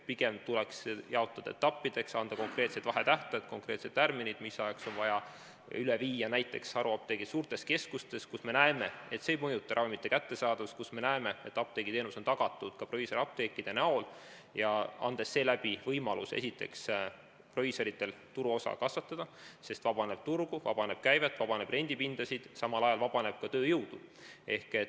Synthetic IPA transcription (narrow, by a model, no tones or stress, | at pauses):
piɡ̥e̞mt̪ulɛksjɑo̞t̪ːˑɑd̪̥ɑ̰et̪ːɑpːid̪̥e̞ksɑnd̪̥ɑko̞ŋkre̞ːt̪set̪vɑɦe̞t̪æht̪ɑd̪̥ko̞ŋkɾe̞ːt̪se̞t̪ːærminid̪̥misɑjekso̞nvɑjɑ | yleviːjɑnæjt̪ːˑe̞ksɑɾuɑp̚t̪e̞ɡisuːrt̪e̞ske̞skust̪e̞skusme̞næeme̞et̪se̞ːjmɤjut̪ːˑɑɾɑvimit̪ːˑe̞kæt̪ːe̞sɑːd̪̥ɑskusme̞næeme̞et̪ːˑɑp̚t̪e̞ːɡ̥it̪e̞ːnuso̞nt̪ɑɡ̥ɑt̪ːˑud̪̥kɑproviso̞ɾɑp̚t̪e̞ːkːˑid̪̥e̞næo̞l | jɑɑ̰nd̪̥e̞sːe̞ːlæb̥ivɤjmɑlusesit̪ːˑe̞̰ks | proviso̞ɾit̪ːe̞lt̪uɾuo̞sɑ̰kɑsvɑt̪ːˑɑd̪̥ɑse̞st̪vɑb̥ɑne̞b̥̚t̪urɡ̥uvɑ̰b̥ɑne̞b̥̚kæjvet̪ːˑvɑbɑne̞b̥re̞nʲd̪̥ipind̪̥ɑsid̪̥sɑmɑlɑjɑlvɑb̥ɑne̞b̥̚kɑt̪øːjɤwd̪̥ue̞hke̞